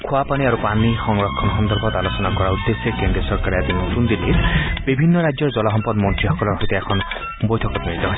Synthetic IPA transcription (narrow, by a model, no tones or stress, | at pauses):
kʰuapaniaɾupanixɔŋɹɔkʰːɔnɦɔnd̪ɔɾbɔt̪alosɔnakɔɾaud̪ːesekend̪ɾiɔsɔɾkaɾead̪inot̪und̪iliɾbibʱinːɔɾajd͡ʒɔɾd͡ʒɔlaɦɔmpɔd̪mɔnt̪ɾiɦɔkɔlɔɾɦojt̪eekʰɔn | bojt̪ʰɔkɔt̪miɾit̪ɔɦɔj